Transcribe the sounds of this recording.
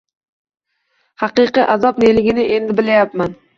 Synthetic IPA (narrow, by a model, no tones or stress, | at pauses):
hɑqɨqɨʔazɒpnelɪɡʲɪnɪʔe̞nd̪ɪbɪlajapman